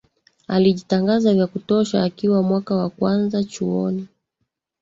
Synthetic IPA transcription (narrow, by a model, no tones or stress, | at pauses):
aliʄitaŋɡazavjakutɔʃaːkiwamwakawakwanzat͡ʃuɔ̰ni